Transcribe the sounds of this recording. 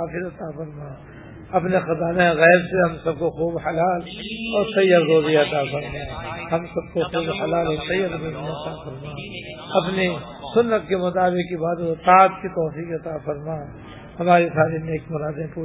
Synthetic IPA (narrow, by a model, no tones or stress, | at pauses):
aːfɪɾɐt̪afɐɾmaː | ɐpnexɐzaːnaɣɛːbseɦɐmsɐb̚koxuːbhɐlaːlɔːɾsɐijɐɾzoːzijaɐt̪afɐɾmaːhɐmsɐb̚koxuːbhɐlaːleksɐijəɾzoːzijaɐt̪afɐɾmaː | ɐpni | sʊnːət̪kemʊt̪aːbɪkkibaːd̪t̪aːd̪kit̪ɔːfiːkɐt̪afɐɾmaː | hɐmaːɾisaːɾineːkmʊɾaːd̪ẽpuː